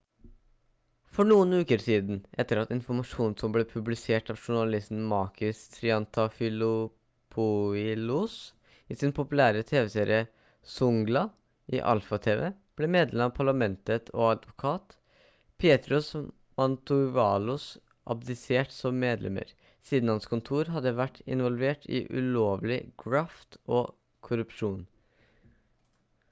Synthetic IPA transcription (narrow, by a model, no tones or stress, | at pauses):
fɔɳuːənʉːkəɾsiːd̪nʔɛt̪ːəɾɑt̪ɪnfɔɾmɑʂuːnsɔmblɛːpʰʉblɪseːʈɑʋʂʊɳɑlɪst̪n̩mɑːkʰɪst̪ʰɾɪɑnt̪ʰɑfɪlʊ | pʰʊɪluːs | iːsɪnpʰʊpʉlæːɾət̪ʰeːʋɛseːɾɪə | sʊŋɡlɑ | ʔɪ̰ʔɑ̰lfɑt̪ʰeːʋɛ̰b̥leːmeːd̪lɛmɑːpʰɑɭɑmɛnt̪ət̪ʰo̰ːɑd̪ʋʊkʰɑːt̪ | pʰjeːt̪ɾʉs | mɑnt̪ʊʋɑːlʊs | ʔɑ̰b̚d̪ɪseːʈsɔmːeːd̪lʔɛ̰mə̰ɾ | siːd̪n̩hɑnskʰʊnt̪ʰuːɾɦɑd̪ːəʋæʈʰːɪ̰nʋɔlʋeːʈʰḭʔʉ̰loːʋlɪɡɹɑːft̪oː | kʰʊɾʉpʂuːn